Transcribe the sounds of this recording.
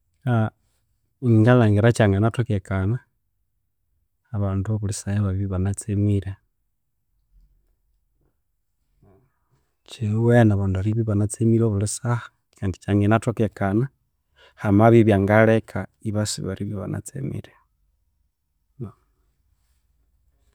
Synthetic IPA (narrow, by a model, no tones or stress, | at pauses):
a | iŋɡalaŋɡiɾat͡ʃaŋɡanatokekana | βaːnduβulisajeβaβiβiβanat͡semiɾe | t͡ʃewenaβanduaɾiβiβanat͡semiɾoβulisahḁ | kʰandi̥t͡ʃaŋɡenatokekana | hamaβiβjaŋɡalekʰaiβasḭβaɾiβiβa̰na̰t͡sḛmḭɾe